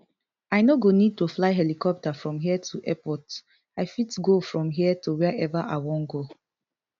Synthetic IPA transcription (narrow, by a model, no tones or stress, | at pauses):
aɪnoɡonid̚toflaɪɦɛlikɔp̚tafɹɔ̃mɦiətʰuʔɛpɔt | aɪfitɡofɹɔ̃mɦiətuwɛɛvaʔa̰ɪwɔ̃nɡo